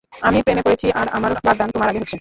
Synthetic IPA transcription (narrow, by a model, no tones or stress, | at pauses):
amipɾemepoɾet͡ɕʰiʔaɾamaɾbaɡ̪d̪ant̪omaɾaɡeɦot̪ːʰen